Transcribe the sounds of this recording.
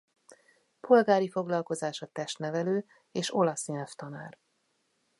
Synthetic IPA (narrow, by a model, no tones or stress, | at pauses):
po̞lɡaːɾifo̞ɡlɒlko̞zaːʃɒt̪ɛʃt̪nɛvɛløː | eːʃo̞lɒsnelft̪ɒnaːr